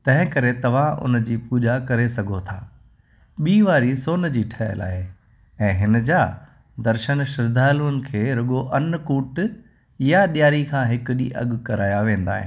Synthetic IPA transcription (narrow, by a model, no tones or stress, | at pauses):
t̪ɐ̃ɦɪ̃kɐɾet̪ɐʋ̤ãʊ̰nə̆d͡ʑiːpuːʄakɐɾesɐɡʱot̪ʰaː | ɓiːʋaːɾisoːnd͡ʑiːʈʰɐə̰la̰ːɦe | ɛ̃ːɦɪnə̆d͡ʑaː | d̪ɐɾʃənʃɪɾd̪ʱaːluənɪ̆kʰeːɾɐɠoʔɐnkuːʈ | jaɗjaːɾikʰãːɦɪkʊɗiʔɐ̰ɠkɐɾaːjaʋẽːn̆d̪a̰ːɦɪ̰̃